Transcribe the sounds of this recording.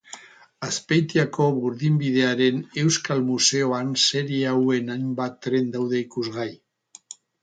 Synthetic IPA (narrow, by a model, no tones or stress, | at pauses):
aspejt̪iako̞βuɾðimbiðe̞aɾe̞ne̞wskalmuse̞o̞anse̞ɾiawe̞najmbat̪ːɾe̞nd̪awðe̞ikuzɣaj